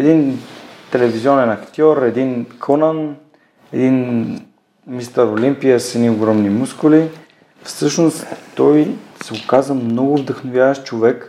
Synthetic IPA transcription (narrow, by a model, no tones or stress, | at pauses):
ɛd̪int̪ɛlɛviziɔnɛnɐkt̪ʲɔɾɛd̪inkʰɔnan | ɛd̪in | mist̪əɾolimpijəsɛnioɡɾɔmnimuskʊli | fsɤʃnost̪ɔjsɛokazvəmnɔɡʊvd̪əxnovʲjavəʃt͡ʃovɛk